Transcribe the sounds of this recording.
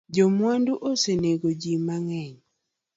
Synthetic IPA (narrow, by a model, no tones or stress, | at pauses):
d͡ʒomwanduʔoseneɡod͡ʒimaŋɛɲ